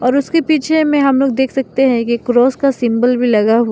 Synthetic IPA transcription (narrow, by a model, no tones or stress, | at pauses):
ɔːɾʊskepiːt͡ʃʰemẽɦɐmloːɡ̚d̪eːkʰsɐk̚t̪eɦɛ̃kikɾɔːskasɪ̃mbəlbʱilɐɡaɦua